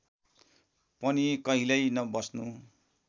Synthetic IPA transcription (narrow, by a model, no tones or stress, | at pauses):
pʌnikʌɦilʌjnʌbʌsnu